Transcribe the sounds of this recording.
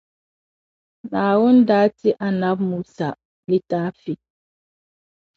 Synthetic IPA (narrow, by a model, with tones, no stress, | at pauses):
naː˨wɔ˦ndaː˦ti˦ʔa˨na˦b̚muː˨sa˨ | li˦taː˦fi˦